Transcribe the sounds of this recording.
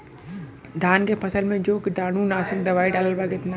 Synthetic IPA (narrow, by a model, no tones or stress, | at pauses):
d̪ʱaːnkepʰɐsəlmẽd͡ʒoːkd̪aːnũnaːsɪ̃ŋɡd̪ɐʋaːiɖaːləlbaɡɪt̪na